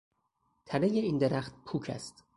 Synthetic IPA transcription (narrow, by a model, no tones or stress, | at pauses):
t̪ʰænejeiːnd̪eɾæxt̪̚pʰuːkʰæ̰st̪